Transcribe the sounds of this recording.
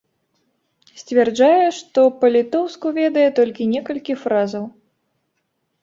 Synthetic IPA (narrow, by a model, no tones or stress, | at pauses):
sʲt͡sʲvʲɛrd͡ʐajɛʂt̪ɔpɐlʲit̪ɔwskuvʲɛd̪ɐjɛt̪ɔlʲkʲinʲɛkɐlʲkʲifɾazɐw